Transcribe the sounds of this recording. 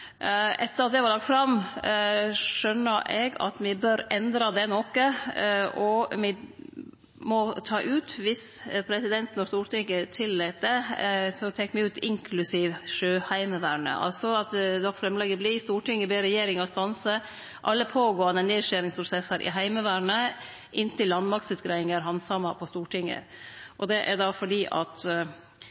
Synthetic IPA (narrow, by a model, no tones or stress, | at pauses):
ʔɛt̪ːəɾɑt̪̚d̪ɛʋɑɾlɑk̚t̪fɾɑm | ʂœnːəʔɛɡɑ̰t̪mɪbœɾɛnd̪ɾɑd̪ɛnɔkə | ɔmɪ | mɔt̪ʰɑːʔʉːt̪ʋɪspʰɾɛsɪd̪ɛnt̪nɔʂt̪uːʈɪŋət̪ʰɪlːeːt̪̚d̪ɛsɔt̪ʰɛkːmɪʉːt̪ɪŋkʰlʉsiːʋʂøːhæɪməʋæːɾɳə̰ʔɑ̰lsɔɑt̪d̪ɔkːfɾɛmlɛɡəblɪst̪uːʈɪŋːəbeːɾɛjeːɾɪŋɔst̪ɑnsə | ʔɑlːəpʰoːɡoːɑnəneːʂæːɾɪŋspʰɾʊsɛsɑɾʔɪ̰ɦæɪməʋæːɳə | ʔɪnt̪ɪlːɑnmɑkt̪sʉːt̪ɡɾæɪɪŋəɾɦɑnsɑmɑpʰɔst̪uːʈɪŋːə̰ʔɔd̪ɛʔæ̰d̪ɑfɔɖiːʔɑ̰t̪